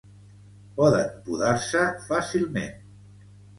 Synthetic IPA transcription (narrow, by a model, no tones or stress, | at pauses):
pɔðə̰npuðaɾsəfasilˠmḛn